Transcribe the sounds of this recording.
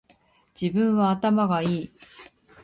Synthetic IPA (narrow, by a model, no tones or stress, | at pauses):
d͡ʑibɯ̟̃ɰ̃βaːt̪amaɡaiː